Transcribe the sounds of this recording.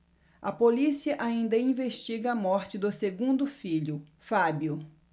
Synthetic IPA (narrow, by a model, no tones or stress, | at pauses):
ɐpolisiɐʔaĩnd̪ɐĩveʃt͡ʃiɡɐːmɔɾt͡ʃɪd̪ʊseɡũnd̪ʊfiʎʊfabjʊ